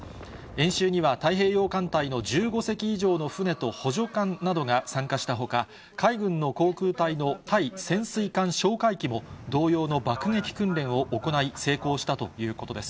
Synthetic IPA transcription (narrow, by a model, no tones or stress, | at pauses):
ẽ̞ɰ̃ɕɨːɲ̟iβat̪aiɦe̞ːjo̞ːkãnt̪aino̞ʑɨːɡo̞se̞kʲiːʑo̞ːno̞ɸɯ̟ne̞t̪o̞ho̞ʑo̞kãnːad̪o̞ɡasãŋkaɕi̥t̪aɦo̞ka | kʰaiɡɯ̟̃nːo̞ko̞ːkɯ̟ːt̪aino̞t̪ʰaisẽ̞ɰ̃sɨikãɰ̃ɕo̞ːkaikʲimo̞d̪o̞ːjo̞ːno̞bakɯ̟ŋe̞kʲi̥kɯ̟̃nɾẽ̞ɰ̃o̞ʔːko̞naise̞ːko̞ːɕi̥t̪at̪o̞jɯ̟ːko̞t̪o̞d̪e̞sɨ̥